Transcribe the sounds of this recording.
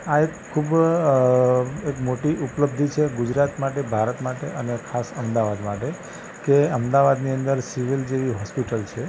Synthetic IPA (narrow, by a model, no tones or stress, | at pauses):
aekʰːub | ekmoʈiʔupləb̚d̪ʱit͡ʃʰeɡud͡ʒɾat̪maʈebʱaɾət̪maʈeʔənekʰasəmd̪aʋad̪maʈe | keəmd̪aʋad̪niənd̪əɾsiʋild͡ʒeʋiɦɔspiʈəlt͡ʃʰe